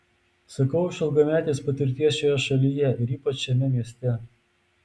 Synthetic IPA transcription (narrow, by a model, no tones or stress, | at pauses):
sɐkɐʊʃʲɪlˠɡɐmʲæːt̪ʲeːspɐt̪ʲɪɾʲt̪ʲiɛsʃojɛʃɐlʲijɛɪɾiːpɐt͡ʃʃʲɛmʲɛmʲiɛsʲt̪ʲɛ